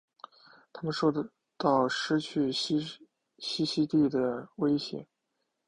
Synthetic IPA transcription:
t̪ʰa˥mə˨nʂɔ˥˧ | t̪ɑ˥˩ʊʂɻ̩˥t͡ɕʰy˥˩˥ | ɕi˥ɕi˥t̪i˥˩d̪ə˩we˥ɪɕjɛ̰˧˥

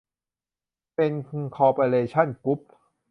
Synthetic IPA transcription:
pe˧nkʰɔː˧pa˧leː˧t͡ɕʰa˥˩nku˦˥p̚

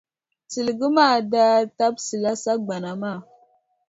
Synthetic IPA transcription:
t͡si˨lɡə˦ma˦˨da˦ta˦bsi˨la˦sa˦ɡ͡ba˨na˨ma˦˨

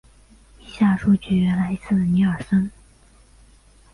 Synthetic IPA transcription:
i˨˩ɕja˥˩ʂu˥˩t͡ɕy˧˥ɥɛ˧˥nla˧ɪi˧˥t͡sʰɹ̩˥˩ni˧˥ə˞˨˩ʂə˥n

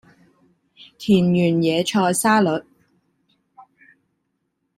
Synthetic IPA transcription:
t̪ʰiː˨˩njyː˨˩njɛː˨˧t͡ʃʰɔː˧jsaː˥lɵ˨˥t̚

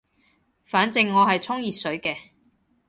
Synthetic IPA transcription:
faː˨˥nt͡sɪ˧ŋːɔː˨˧hɐ˨jt͡sʰʊ˥ŋjiː˨t̚sɵ˨˥ɥkɛː˧

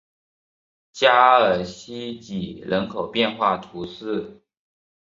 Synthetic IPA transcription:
t͡ɕja˥ə˞˨˩ɕi˥t͡ɕi˨˩lʔə˧˥nkʰo˨˩ʊpjɛ˥˧nxwa˥˩t̪ʰu˧˥sɹ̩˥˩

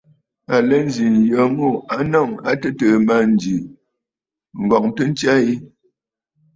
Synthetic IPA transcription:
a˨lə˦n˦d͡ʒi˨n˨jə˨˦mu˦˨a˦nɔ˦˨ŋa˦tə˦tə˨ma˦˨n˨d͡ʒi˨ | ŋ̩˨ɡɔ˨k̚n˦tə˦n̩˦t͡ʃja˦i˦

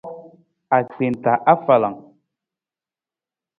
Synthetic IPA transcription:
a˨k͡pe˨n˨ta˨ʔa˦fa˨la˨ŋ

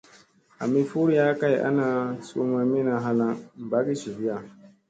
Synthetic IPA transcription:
a˨mi˦fu˦ɾi˦ja˦ka˦jʔa̰˦naː˨so̰˦ma˦mi˦na˨ɦa˦la˦ŋm̩˨ba˦ɡi˦ʃi˨bi˦ja˦˨

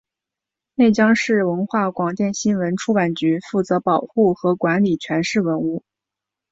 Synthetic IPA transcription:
ne˥˩ɪt͡ɕjɑ˥ŋʂɻ̩˥˩wə˧˥nxwa˥˩kwɑ˨˩ŋt̪jɛ˥˩nɕi˥nwə˧˥nʈ͡ʂʰu˥pa˨˩nt͡ɕy˧˥fu˥˩t͡sɤ˧˥pɑ˨˩ʊxu˥˩xɤ˧˥kwa˧˥nli˨˩t͡ɕʰɥɛ˧˥nʂɻ̩˥˩wə˧˥nu˥˩

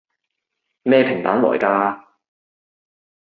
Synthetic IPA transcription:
mɛː˥˧pʰɪ˨˩ŋt̪aː˨˥nlɔ̰ː˨˩jkaː˧

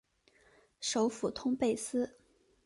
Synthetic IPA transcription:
ʂo˧˥ʊfu˨˩t̪ʰʊ˥ŋpe˥˩ɪsɹ̩˥

